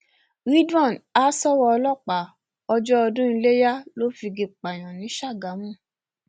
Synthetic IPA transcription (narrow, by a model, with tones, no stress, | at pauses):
ɾi˦dɔ̃˦˨na˦sɔ˦wɔ˧ɔ˧lɔ˦˨k͡pa˨˦ | ɔ˧d͡ʒɔ˦ɔ˧dũ˦i˧le˦ja˦lo˦fi˧ɡe˧k͡pa˨j̃ã˨nĩ˨˦ʃa˦˨ɡa˨˦mũ˦˨